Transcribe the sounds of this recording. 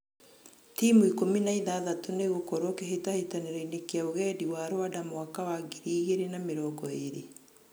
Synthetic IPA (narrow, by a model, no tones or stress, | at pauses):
tiːmuikominaiðaːðatoneɣokɔɾokeɦetahetaneɾainekeaoɣɛːdiwaɾoadamoakawaɡiɾiːɣeɾenameɾɔɡɔeɾḛ